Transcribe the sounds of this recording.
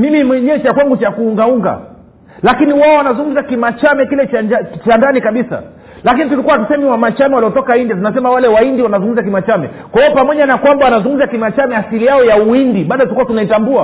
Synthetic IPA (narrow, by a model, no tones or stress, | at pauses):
mimimwɛɲɛt͡ʃakwaŋɡut͡ʃakuuŋɡauŋɡa̰ | lakiniwaɔwanazuŋɡum̩zakimat͡ʃamɛkilɛt͡ʃaat͡ʃandanikaɓisa̰ | lakinitulikuwaatusɛmɛwamat͡ʃamɛwaliɔtɔkaindiat̬unasɛmawalɛwaindiwanazuŋɡum̩zakimat͡ʃamɛ̰ | kwahiɔpamɔʄanakwambawanazuŋɡum̩zakimat͡ʃamɛasilijaɔjauindiɓaːɗɔtukuwatunaitambua